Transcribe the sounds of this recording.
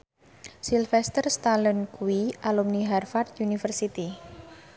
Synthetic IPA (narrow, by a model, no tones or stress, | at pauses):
silfɛst̪ərst̪alənkuiʔalumniɦarfat̪unifərsit̪i